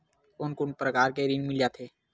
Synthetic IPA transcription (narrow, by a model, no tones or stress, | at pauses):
ʊnkʊnpɾəkaːɾkeɾinmɪljaːt̪ʰeː